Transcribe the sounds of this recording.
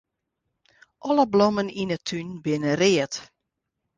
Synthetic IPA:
ʔɔləblɔməninətʰynbɪnərɪət

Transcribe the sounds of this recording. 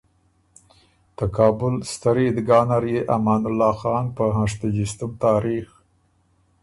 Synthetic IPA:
t̪akɑːbʊlst̪aɾed̪ɡɑːnaɾjeʔamɑːnʊlːɑːxɑːnpəɦaʂt̪ad͡ʒɪst̪ʊmt̪ɑːɾix

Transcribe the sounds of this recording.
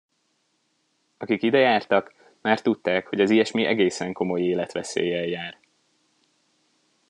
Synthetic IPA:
ɒkikid̪ɛjaːrt̪ɒk | maːrt̪ut̪ːaːkho̞ɟɒzijɛʃmiʔɛ̰ɡeːsɛŋko̞mo̞jeːlɛt̪ʋɛsḛːjɛjjaːr

